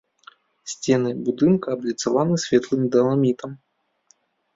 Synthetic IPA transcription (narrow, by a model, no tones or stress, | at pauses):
sʲt͡sʲɛnɨbud̪ɨnkɐːblʲit̪savanɨsʲvʲɛt̪lˠɨmd̪ɐnˠamʲit̪ɐm